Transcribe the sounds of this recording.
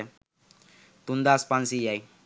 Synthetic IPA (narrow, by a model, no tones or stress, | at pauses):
t̪und̪aspansijaj